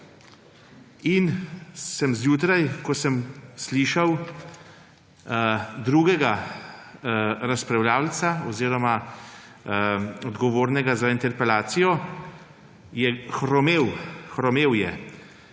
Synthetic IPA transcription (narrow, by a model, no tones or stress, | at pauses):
insəmzjuːt̪ɾajkɔsəmsliʃaw | d̪ɾuːɡɛɡa | ɾaspɾɛwljaːwlt̪saɔziːɾɔma | ɔd̪ɡɔʋoːɾnɛɡazaint̪ɛɾpɛlaːt̪sijɔ | jɛxɾɔmeːwxɾɔmeːwjɛ